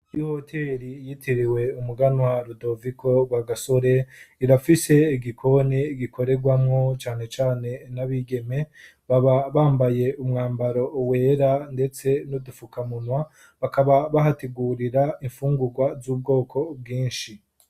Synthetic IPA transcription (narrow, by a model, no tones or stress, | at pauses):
ihotʰe̞ːɾijitʰiɾiwe̞umuɡanwaɾudo̞vikʰo̞βaɡaso̞ɾe̞iɾafise̞iɡikʰo̞niɡikʰo̞ɾe̞ɡwamŋo̞t͡ʃaːne̞t͡ʃaːne̞naβiɡe̞me̞ | βaβaβaːmbaje̞umŋaːmbaɾo̞we̞ːɾande̞t͡se̞nudufukamunwa | βakaβaβaɦateɡuːɾiɾaiɱfuːŋɡuɡwazuːb̚ɡo̞ːkʰo̞b̚ɡiːnʃi